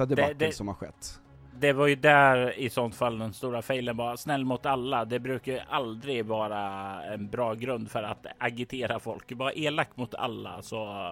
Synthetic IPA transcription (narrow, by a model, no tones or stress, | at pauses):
sɔd̪ɛd̪d̪ɛsɔmhaɧɛ̰t̪ː | d̪ɛvaɾjɵd̪æɾɪsɔnt̪falːd̪ɛnst̪uːɾafɛjlənbɑːɾasnɛlːmʊt̪alːad̪ɛbɾʉ̟ːkajʔald̪ɾɪɡvɑːɾaɛnbɾɑːɡɾɵnd̪fœɾat̪aɡɪt̪ʰeːɾafɔlkbɑːɾaʔeːlaktːmʊt̪ʰa̰lːa̰sɔ